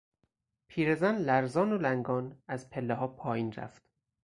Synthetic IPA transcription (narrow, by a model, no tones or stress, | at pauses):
pʰiːɾezænlæɾzɒːnolæŋɡɒːnæzpʰe̞lːeɦɒːpʰɒːjiːnɾæ̰ft̪